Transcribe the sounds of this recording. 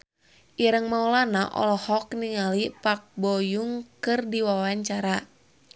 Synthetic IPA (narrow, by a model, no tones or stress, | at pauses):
ʔiɾəŋmaulanaʔɔ̰lɔhɔkniŋalipak̚bɔjuŋkɨrdiwawaɲt͡ʃaɾa